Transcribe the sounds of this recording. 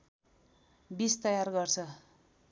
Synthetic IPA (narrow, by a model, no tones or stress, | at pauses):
bist̪ʌjarɡʌrt͡sʰʌ